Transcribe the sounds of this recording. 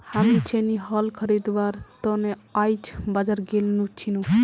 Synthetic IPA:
hamit͡ʃʰeniɦəlkʰəɾid̪ʋaɾt̪ɔneajt͡ʃʰbad͡ʒəɾɡelnut͡ʃʰinu

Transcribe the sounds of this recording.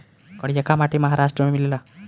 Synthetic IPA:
kəɽijakamaʈiməɦaɾaʂʈɾəmemilela

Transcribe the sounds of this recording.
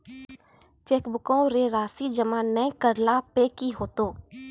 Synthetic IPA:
t͡ʃeːkbʊkõːɾeːɾaːsiːd͡ʒəmãːnɛ̃ːkəɾlaːpeːkiːɦoːt̪oː

